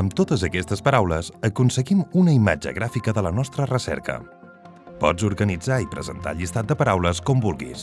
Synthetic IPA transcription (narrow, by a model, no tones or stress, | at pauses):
əmt̪ot̪əzəkɛst̪əspəɾawləzəkunsəɣimunəima̰d͡ʒə̰ɣɾafikəðələnɔst̪ɾərəsɛ̰ɾkə̰ | pɔ̰d͡zzuɾɣənid͡zaipɾə̰zə̰nt̪a̰ʎist̪at̪̚d̪əpəɾawləskɔmbulˠɣḭs